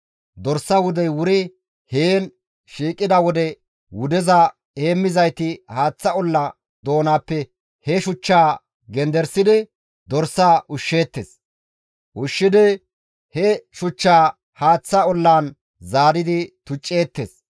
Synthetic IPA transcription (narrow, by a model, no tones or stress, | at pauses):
d̪ɔɾsɐwʊd̪ɛjwʊɾɪ | heːn | ʃiːkʼːɪd̪ɐwɔd̪ɛ | wʊd̪ɛzɐ | eːmːɪzɐjt̪ɪhaːt͡sːɐɔlːɐ | d̪o̞ːnaːpːɛ | hɛʃʊt͡ʃːaː | ɡɛnd̪ɛɾsɪd̪ɪ | d̪ɔɾsaːʔʊʃːe̞ːt̪ːḛs | ʔʊʃːɪd̪ɪ | hɛʃʊt͡ʃːaː | haːt͡sːɐɔlːaːn | zaːd̪ɪd̪ɪt̪ʊt͡ʃʼːe̞ːt̪ːeːs